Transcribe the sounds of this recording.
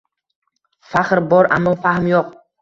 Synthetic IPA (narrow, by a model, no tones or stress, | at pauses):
faχɾbɒɾa̰mːɒfahmjoq̚